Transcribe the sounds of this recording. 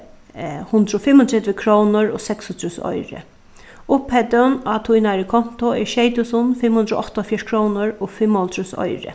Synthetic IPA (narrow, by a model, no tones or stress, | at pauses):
hʊnd̪ɾɔfɪmːɔnt̪ʰɛt̪ʋɪkʰɾownʊɾɔ̰sɛksɔnt̪ʰɾusɔ̰jɾɪ̰ | ʊphɛt̪ʊnat̪ʰujnaɾɪkʰɔn̥t̪ʊɛɾʃejt̪ʊsʊnfɪmhʊnd̪ɾɔ̰ʔɔht̪ɔfjɛʂkʰɾownʊɹɔfɪmːɔlt̪ɾusɔ̰jɾɪ̰